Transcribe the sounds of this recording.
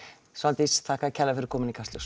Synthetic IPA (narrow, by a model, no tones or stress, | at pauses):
sant̪ist̪ʰaːhkaðcʰɛlːafɪɾkʰɔːmɪnikʰast̪lʏs